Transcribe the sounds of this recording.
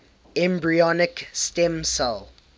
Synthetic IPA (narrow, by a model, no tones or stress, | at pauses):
ɛ̃mbɹiɔnɪkstɛ̃msalˠ